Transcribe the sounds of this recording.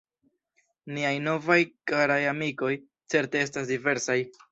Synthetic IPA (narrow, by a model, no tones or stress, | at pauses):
niajno̞vajkaɾajamiko̞j | t͡se̞ɾte̞e̞s̬tasdive̞ɾsaj